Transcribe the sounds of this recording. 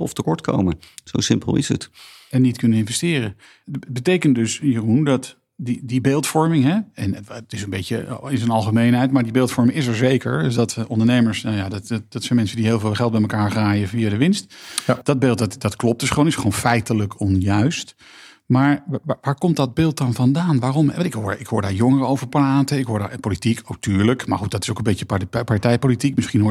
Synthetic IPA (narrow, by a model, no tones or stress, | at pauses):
ɔ̰ftəkɔɹtko̰wməz̥o̰wsɪmpəl̩ˠɪ̰sə̰t | ɛnːitkɵnənɪnvəstɪːrə | bətejkəntdɵsjərundɑt | didibeːlˠtfɔɹmɪŋɦɛɛntɪsəmbejcə̰ɪs̬ənɑlˠχəmejnɦɛjtmaːɹdibelˠtfɔɹmɪŋɪs̬əɹzejkə̰ɹsdɑtɔndəɹnejməɹsnawjadtd̥ɑtsɛjnmɛnsədiɦeːlˠveːlˠχɛlˠd̚bɛjməkaːɹχraːjəviadəʋɪnstd̥ɔd̚beːlˠt̚dtdɑtklɔp̚d̥øsχoːnɪsχownfɛjtələkʰɔnjœɥst | maːɹaʋaːɹkɔmt̚dɑd̚bɪːlˠt̚dɑnvɑndaːnʋaːrɔmnɪkɦʊːɹɪkɦʊːɹdaːɹjɔŋəɾəowvəɹpraːtənɪkɦʊːɹda̰ːɹpolitikʰowk̚tʰyːɹləkmaɹχut̚dɑtɪsowkəmbejt͡ʃəppaɹtɛjpolitikmɪsχino